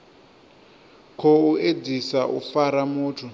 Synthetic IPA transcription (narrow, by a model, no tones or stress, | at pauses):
kʰoued͡zisaʔṵfaɾamuːtʰu